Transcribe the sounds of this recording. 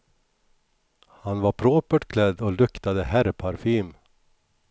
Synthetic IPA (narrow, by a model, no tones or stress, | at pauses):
hanvaɾpʰɾoːpəʈkʰlɛd̪ːɔlɵkt̪ad̪əhæɾpʰaɾfiːm